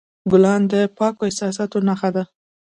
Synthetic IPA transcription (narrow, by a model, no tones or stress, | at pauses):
ɡʊlɑnd̪əpɑkoɪsɑs̬ɑt̪onaxad̪a